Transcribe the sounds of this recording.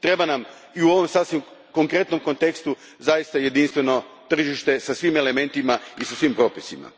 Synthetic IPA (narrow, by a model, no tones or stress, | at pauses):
t̪ɾe̞banam | iuo̞ʋo̞msasʋimko̞ŋkɾe̞t̪no̞mko̞nt̪e̞kst̪u | zajist̪aje̞d̪inst̪ʋe̞no̞t̪r̩ʒiʃt̪e̞sasʋime̞le̞me̞nt̪imaisasʋimpɾo̞ːpisima̰